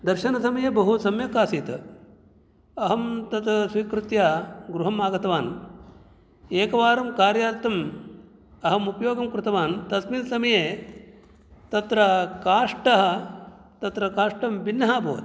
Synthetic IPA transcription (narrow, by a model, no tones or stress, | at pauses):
d̪ɐɾʃɐnɐsɐmɐjeːbɐɦusɐmjɐkaːsiːt̪ɐ | ɐɦɐmt̪ɐt̪ɐsʋiːkɾut̪jaːɡɾuɦɐmaːɡɐt̪ɐʋaːn | eːkɐʋaːɾɐmkaːɾjaːɾt̪ɐm | ɐɦɐmupɐjoːɡɐmkɾɪt̪ɐʋaːnt̪ɐsminsɐmɐjeː | t̪ɐt̪ɾɐkaːʂʈɐɦɐ̆t̪ɐt̪ɾɐkaːʂʈɐmbinːɐɦaːbʱo̰ːʋɐ̰t̪